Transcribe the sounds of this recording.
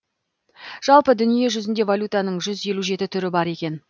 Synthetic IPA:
ʒ̥ɑlˠpəd̪ʏnije̞ʒʏzɪnd̪e̞valʲut̪anəɴʒʏzje̞luʒe̞t̪ɪt̪ʰʏɾɪbɑɾe̞kʲe̞n

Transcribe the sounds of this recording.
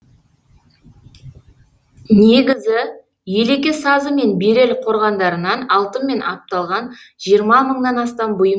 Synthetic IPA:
ne̞ɡʲɪzɪ | je̞le̞kʲesɑzəme̞nbeɾe̞lɪqʰo̞ɾʁɑnd̪ɑɾənɑnɑlˠt̪əmːe̞nɑp̚t̪ɑlˠʁɑn | ʒijəɾmɑməɴnɑnɑst̪ɑmbʊjəm

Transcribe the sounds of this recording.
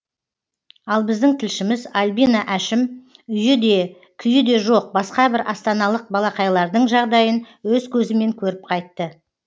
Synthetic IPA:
ɑlˠbɪzd̪ɪŋt̪ʰɪlʃɪmɪzalʲbinaʔæʃɪm | ʏjɪd̪e | kʲʰʏjɪd̪e̞ʒo̞q̚bɑsqɑbɪɾʔɑst̪ɑnɑlˠəq̚bɑlˠɑqɑjlˠɑɾd̪əɴʒɑʁd̪ɑjən | wɵzkʲʰɵzɪme̞ŋkʲʰɵɾɪp̚qʰɑjt̪ːə

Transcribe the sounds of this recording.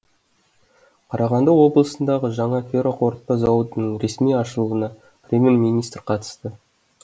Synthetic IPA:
qʰɑɾɑʁɑnd̪ɑwo̞blˠəsənd̪ɑʁəʒɑɴɑfʲeɾoqʰo̞ɾt̪̚pɑzɑwət̪ənəɴɾe̞smijɑʃəlˠuənɑ | prʲemʲjermʲijnijst̪ɾqʰɑt̪ə̥st̪ə

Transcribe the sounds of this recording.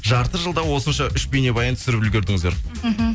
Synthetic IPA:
ʒɑɾt̪əʒəlˠd̪ɑwo̞sənʃɑʔʏʃpene̞bɑjɑnt̪ʰʏ̥sɪɾɪpʏlɡʲe̞ɾd̪ɪŋɪzd̪eɾm̩ɦ̩

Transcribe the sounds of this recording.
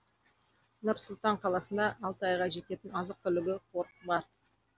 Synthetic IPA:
nʊɾsʊlˠt̪ɑɴqʰɑlˠɑsənd̪ɑʔːlˠt̪ɑjʁɑʒe̞t̪e̞t̪ɪnɑzəq̚t̪ʰʏlɪɡʲɪqʰoɾtbɑɾ

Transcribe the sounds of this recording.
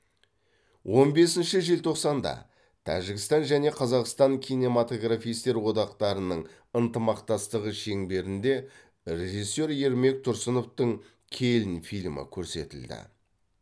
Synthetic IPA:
wʔo̞nbe̞sɪnʃɪʒelt̪ʰo̞qsɑnd̪ɑ̰ | t̪ʰæ̰ʒɪɡʲɪst̪ɑnʒæne̞qʰɑzɑqst̪ɑŋkʲʰijne̞mat̪o̞ɡrafijst̪e̞ɾwo̞d̪ɑqt̪ɑɾənəɴ | ənt̪əmɑqt̪ɑst̪əʁəʃe̞ŋbe̞ɾɪnd̪e̞ | ɾe̞ʒisːe̞ɾje̞ɾme̞k̚t̪ʰʊɾsəno̞ft̪əɴ | kʲʰe̞lɪnfijlʲmɪ̰kʲʰɵɾse̞̰t̪ɪld̪ɪ̰

